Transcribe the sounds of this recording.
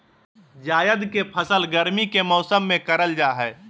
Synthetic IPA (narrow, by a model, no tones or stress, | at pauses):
d͡ʒaːjəd̪kepʰəsəlɡəɾmikemɔʊsəmːẽkəɾəld͡ʒaːɦɛː